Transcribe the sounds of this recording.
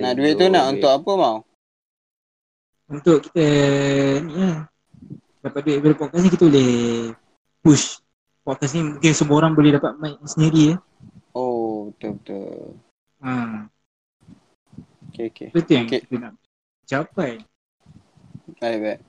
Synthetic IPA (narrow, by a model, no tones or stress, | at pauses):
naʔduɪʔt̪unaʔunt̪ʊkapəmãw | unt̪ʊʔki̥t̪ə | nia | dapat̪̚duɪʔ̚boləpɔʔ̚kasnikit̪əboleh | pus | pɔʔ̚kasnimũŋkɪnsəmũoɾaŋbolɛhdapat̪̚maʔsəniɾiə | obət̪ʊlbət̪ʊ̰l | a | okeokḛtət̪ɪŋkit̪ənaʔ | d͡ʒapaj | lajʔbɛʔ